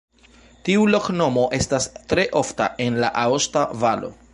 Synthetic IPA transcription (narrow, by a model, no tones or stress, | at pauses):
tiulo̞kno̞mo̞ʔe̞stastɾe̞ʔo̞fta̰ʔe̞nla̰ʔaostavalo̞̰